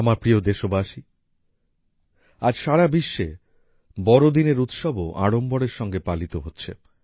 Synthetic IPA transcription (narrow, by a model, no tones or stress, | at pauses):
amaɾpɾiod̪eʃobaʃi | ad͡ʑʃaɽabiʃːe | bɔɾod̪ineɾut̪ʃɔboʔa̰ɽombɔɽeɾʃɔŋɡepalit̪oɦotːɕʰe